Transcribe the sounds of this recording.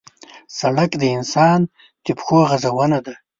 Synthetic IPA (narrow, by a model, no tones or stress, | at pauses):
saɽakd̪əɪnsɑn | t̪ɪpxoɣazawənad̪a